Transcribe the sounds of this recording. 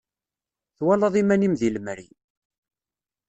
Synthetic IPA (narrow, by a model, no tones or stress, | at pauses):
θwælɑðˤimænimðiləmɾḭ